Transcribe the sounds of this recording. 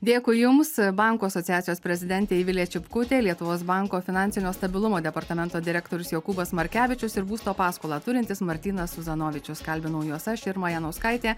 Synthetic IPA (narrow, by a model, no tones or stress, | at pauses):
d̪ʲeːkʊjʊmsbɐŋkuːɐsɔt̪ʲɪjæːt̪sʲɪjoːsʲpʲɾʲɛzʲɪd̪ʲɛnʲt̪ʲeːiʋʲɪlʲɛt͡ʃʲɪpkʊt̪ʲeːlʲiɛt̪ʊʋoːsbɑˑŋkoːfʲɪnɑˑnʲsʲɪnʲoːst̪ɐbʲɪlˠʊmoːd̪ʲɛpɐɾt̪ɐmʲɛnt̪oːd̪ʲɪɾʲɛkt̪oːɾʲʊsjɛkuːbɐsmɐɾʲkʲæːʋʲɪt͡ʃʲʊsɪɾbuːst̪oːpɑːskoːlˠɑːt̪ʊɾʲɪnʲt̪ʲɪsmɐɾʲt̪ʲiːnɐsʊzɐnoːʋʲɪt͡ʃʲʊskɐlʲbʲɪnɐʊjuɔsɐʃɪɾmɐjɛnɐʊskɐɪt̪ʲeː